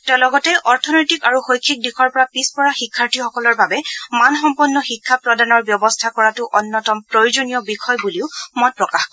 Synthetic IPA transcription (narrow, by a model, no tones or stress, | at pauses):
tɛlɔɡɔtɛʔɔɹtʰɔnɔjtikaɹuxojkʰːik̚dikʰɔɹpɔɹapispɔɹaxikʰːaɹtʰixɔkɔlɔɹbabɛmanxɔmpɔnːɔxikʰːapɹɔdanɔɹbjɔbɔstʰakɔɹatʊʔɔnːɔtɔmpɹojuzonijɔbikɔjbuliʊmɔt̚pɹɔkax